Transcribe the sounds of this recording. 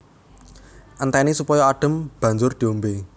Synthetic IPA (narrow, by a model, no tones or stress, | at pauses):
ʔənt̪ɛnisupɔjɔaɖ̥ə̤mb̥ä̤ɲd͡ʒʊrd̪̥i̤ombe